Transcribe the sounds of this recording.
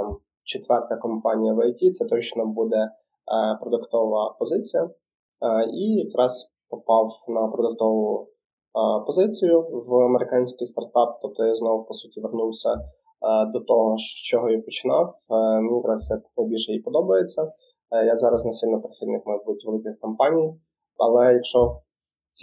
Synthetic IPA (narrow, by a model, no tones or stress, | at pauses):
m | t͡ʃet̪ʋɛrt̪ɐkɔmpɑnʲijɐʋɐjtʲit̪sɛt̪ɔt͡ʃnɔbud̪ɛ | pɾɔd̪ʊkt̪ɔʋɐpɔzɪt͡sʲijɐ | ijk̪ɾɑz | pɔpɑwnɐpɾɔd̪ʊk̚t̪ɔʋʊʊ | pɔzɪt͡sʲijʊʋɐmeɾɪkɑnʲsʲkɪjst̪ɐrt̪ɑpt̪ɔp̚t̪ɔjaznɔwpɔsutʲiʋernuwsʲɐ | d̪ɔt̪ɔɦɔʃt͡ʃɔɦɔjipɔt͡ʃɪnɑwmʲinʲk̪ɾɑsɛknɐjbʲilʲʃɛipɔd̪ɔbɐjet͡sʲːɐ | jazɑɾɐznɐsʲʋilʲnɐpeɾɪxʲid̪nɪkmɐjbud̪tʲʋelˠɪkɪxkɔmpɑnʲij | ɐ̰lˠɛjɐkʃɔ | t͡sʲ